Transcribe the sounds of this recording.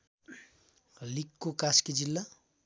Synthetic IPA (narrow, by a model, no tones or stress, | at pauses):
likːokaskid͡ʒilːa